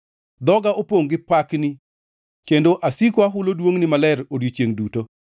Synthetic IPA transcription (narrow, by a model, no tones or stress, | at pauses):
d̪ɔɡaʔopoŋɡɪpaknɪ | kendoʔasikoaɦʊlodwoŋnɪmalɛɾodjot͡ʃjeŋduto